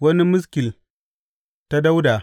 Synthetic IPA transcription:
wɐ˦ni˦mʊ˦s̬kʲɪ˨l | ta˦da˦wdaː˨

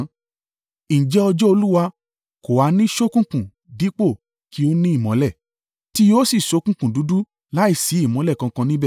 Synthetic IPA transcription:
n̩˨d͡ʒɛ˦ɔ˧d͡ʒɔ˦o˧lu˦wa˧ | ko˨wa˨˦nĩ˦ʃo˦kũ˦˨kũ˨ | di˨˦k͡po˦˨ | ki˨˦o˦nĩ˦i˦˨mɔ̃˨˦lɛ˦˨ | ti˦jo˦si˦˨ʃo˨˦kũ˦kũ˨du˨˦du˦ | la˦i˦˨si˨˦i˦˨mɔ̃˨˦lɛ˦˨kã˧kã˧nĩ˦bɛ˦˨

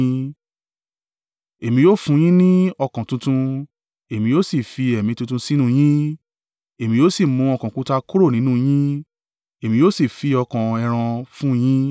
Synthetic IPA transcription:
e˨mĩ˧joː˦fũ˧˦j̃ĩ˦nĩ˦ɔ˧kã˨tũ˧tũ˧ | e˨mĩ˧joː˦si˦˨fi˧ɛ˨mĩ˧tũ˧t̬ũ˧si˦nũ˦˧j̃ĩ˦ | e˨mĩ˧joː˦si˦˨mũ˧˦ɔ˧kã˨kũ˧ta˧ku˦ɾo˦˨nĩ˨˦nũ˦j̃ĩ˦ | e˨mĩ˧joː˦si˦˨fi˧ɔ˧kã˨ɛ˧˨ɾ̃ã˧fũ˦j̃ĩ˦

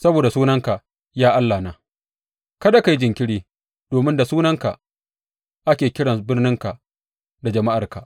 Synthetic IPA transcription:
sɐ˦boː˨da˨suː˦nɐ˦ŋka˨ʔ | jaː˦ʔa˦lːaː˨naː˨ | kɐ˦da˨ka˨ji˦d͡ʒɪ˨ŋkʲɪ˦ɽiː˦ | d̥oː˨mɪ˦nda˨suː˦nɐ˦ŋka˨ | ʔa˦kʲeː˨kʲɪ˦ɽɐ˨nbɪ˦rnɪ˦ŋka˨ʔ | da˨d͡ʒɐ˨ma˦ʔa˨rka˨ʔ

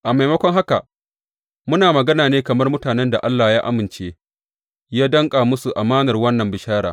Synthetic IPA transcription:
ʔa˨ma˨jmɐ˦kʷɔ˦ŋɦa˦ka˨ | mʊ˦naː˨mɐ˨ɡɐ˦naː˨neː˦kɐ˨mɐ˦rmʊ˦taː˨nɛ˦nda˨ʔa˦lːaː˨jaː˦ʔa̰˦mɪ˨nt͡ʃeː˦ | jaː˦dɐ˦ŋkʼaː˨mʊ˦su˨ʔa˨maː˦nɐ˨rwɐ˦nːɐ˨mbɪ˨ʃaː˦ɽaː˨

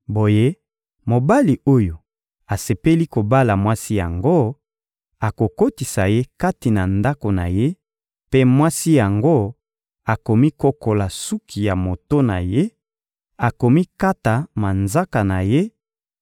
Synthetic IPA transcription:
bo˨je˦ | mo˨ba˦li˨o˦jo˨ | a˨se˨pe˦li˦ko˨ba˦la˨mwa˦si˦ja̰˨ŋɡo˦ | a˨ko˨ko˦ti˨sa˨je˦ka˦ti˨na˨nda˦ko˨na˨je˦ | pe˦mwa˦si˦ja˨ŋɡo˦ | a˨ko˨mi˦ko˦ko˨la˨su˦kʰi˨ja˨mo˨to˦na̰˨je˦ | a˨ko˨mi˦ka˦ta˨ma˨nza˦ka˨na˨je˦

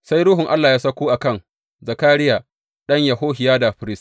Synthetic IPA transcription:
sa˦jɾʊː˦ɦʊ˨ŋʔa˦lːaː˨jaː˦sɐ˦kʷuː˦ʔa˨kɐ˦˨ŋ | zɐ˨kaː˦ɾɪ˦jaː˨ | ɗɐ˦ɲja˨ɦoː˦ɦɪ˨jaː˦da˨ɸɪ˨ɾɪ˦s

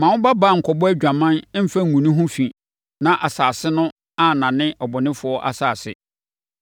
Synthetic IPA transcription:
mã˨wʊ̃˦ba˦ba˦˨ŋ̩˨kʰɔ˨bɔ˦æ˦d͡ʑᶣa˨mã˦n˦m̩˦fa˦ŋ̩˨ũ˨nʊ̃˦ɦʊ̃˦fĩ˨ | nã˨ʔa˨saː˨sɪ˦nʊ̃˦ | a˦nã˨nɪ̃˦ʔɔ˨bɔ˨nɪ̃˦fʊ˨ɔ˦ʔa̰˨saː˨sɪ̰˨

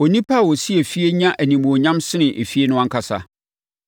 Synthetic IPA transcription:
o˨nĩ˦pʰa˦˨wɔ˨si˦e˨fi˦e˦ɲã˦ʔæ˨nĩ˨mũ˨o˨ɲã˦msɪ˦nɪ̃˨ʔe˨fi˦e˦nʊ̃˦ã˦kʰa˨sa̰˨

